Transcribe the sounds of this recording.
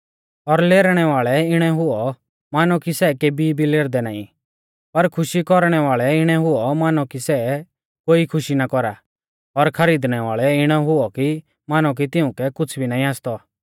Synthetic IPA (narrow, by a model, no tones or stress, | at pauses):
ɔɾleːɾɽ̃ɛʋaːɭɛɪɽ̃ɛɦʊɔ | maːnɔkisɛkeːbʱibʱileːɾd̪ɛnaːḭ̃ | pɐɾkʰʊʃikɔɾɽ̃ɛʋaːɭɛɪɽ̃ɛɦʊɔmaːnɔkisɛ | koːikʰʊʃinakɔɾa | ɔɾkʰɐɾiːd̪ɽ̃ɛʋaːɭɛɪɽ̃ɛɦʊɔki | maːnɔk̬it̪ɪʊ̃kɛkʊt͡sʰbʱinaːĩaːst̪ɔ